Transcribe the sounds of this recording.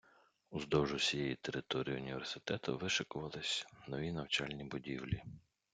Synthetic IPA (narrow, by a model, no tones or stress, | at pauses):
ʊzd̪ɔʒʊsʲijɛjit̪eɾɪt̪ɔɾʲijiʊnʲiʋʲersɪ̥t̪ɛt̪ɐ̰ʋɪʃɪkʊʋɐlˠɪsʲnɔʋʲinɐwt͡ʃɑlʲnʲibʊdʲiwlʲi